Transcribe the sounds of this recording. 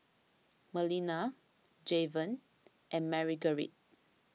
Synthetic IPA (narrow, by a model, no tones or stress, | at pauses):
məlina | d͡ʒevə̃n | ʔɛ̃nmɛɹiɡəɹḭt̚